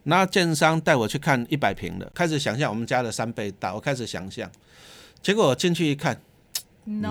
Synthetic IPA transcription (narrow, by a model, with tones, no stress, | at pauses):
na˥˧t͡ɕjɛ˥˧nsa˥˦ŋt̪a˥˩ɪwɔ˨˩t͡ɕʰy˥˧kʰa˥˨ni˥˩pa˨˩ɪpʰḭ˧˦ŋd̪ə̰˨kʰa˦ɪʂ̩˨˩ɕ̬ja˨˩ŋɕ̬ja˥˨ŋwɔ˨˩mə˦nt͡ɕja˦də˨sa˦npe˥˧ɪt̪a̰˥˩˨wɔ˨˩kʰa˦ɪʂ̬̩˨˩ɕja̰˨˩ŋɕja̰˥˨ŋ | t͡ɕje˧˥kwɔ˨˩wɔ˨˩t͡ɕi˥˧nt͡ɕʰy˥˧i˦˧kʰa˥˨n